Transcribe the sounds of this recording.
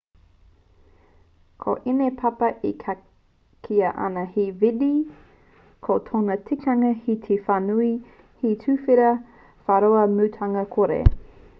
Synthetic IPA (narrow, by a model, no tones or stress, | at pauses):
kʰo̰ʔinepʰɐpɐʔikʰa | kʰiɐʔɐ̰nɐhividi | kʰotʰonɐtʰikɐŋɐhit̪ʰefanui | hitʰʉfiɾɐ | faɾoɐmʉtʰɐŋɐkʰoɾḛ